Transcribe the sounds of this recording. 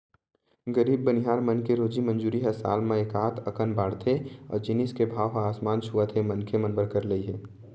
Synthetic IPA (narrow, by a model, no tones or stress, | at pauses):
ɡəɾiːbːənɪɦaːɾmənkeɾoːd͡ʒimə̃nd͡ʒuːɾiɦɛsa̰ːlmẽeːkaːt̪ʰəkənbaːɽt̪ʰeɔ̰ːɾd͡ʒɪniskebʱaːʋɦaaːsmaːnt͡ʃʰuət̪ʰemənkʰemənbəɾkəɾləiɦɛː